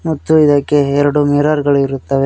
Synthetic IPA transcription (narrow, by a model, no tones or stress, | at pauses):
mɐt̪ːuid̪akːeɛɾɐɽumɛɾaːɾɡɐɭuiɾut̪ːɐʋe